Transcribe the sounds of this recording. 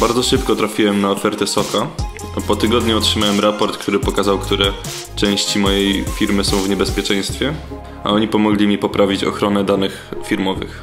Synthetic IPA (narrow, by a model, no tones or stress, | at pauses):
baɾd̪zɔʂɘpkɔt̪ɾafʲiwɛmnaɔfɛɾt̪ɛsɔka | pɔt̪ɘɡɔd̪ɲuɔtʂɘmawɛmɾapɔɾt̪kt̪uɾɘpɔkazawkt̪uɾɛ | t͡ʂɛ̃w̃ɕt͡ɕimɔjejfʲiɾmɘsɔ̃w̃vɲɛbɛspʲjɛt͡ʂɛ̃j̃st̪fʲjɛ | a̰ɔɲipɔmɔɡlʲimʲipɔpɾʔavʲit͡ɕɔ̰xɾɔnɛd̪anɘxfʲiɾmɔvɘ̰x